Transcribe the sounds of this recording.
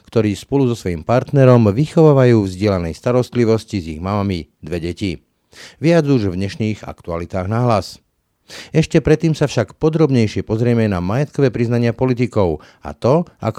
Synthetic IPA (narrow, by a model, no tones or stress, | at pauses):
kt̪ɔɾiːspɔluzɔsʋɔjimpaɾt̪nɛɾɔmʋixɔʋaːʋajuːvzɟɪɛlanɛjst̪aɾɔst̪liʋɔsciziɣmamamid̪ʋɛɟɛci | ʋɪad͡zuʒvɲɛʃniːɣa̰kt̪ualit̪aːɣnaɦlas | ɛʃcɛpɾɛt̪ːiːmsafʃakpɔd̪ɾɔbɲɛjʃɪɛpɔzɾɪɛmɛnamajɛt̪kɔʋɛːpɾiznaɲɪapɔlit̪̬ikɔʊ | a̰t̪ɔa̰k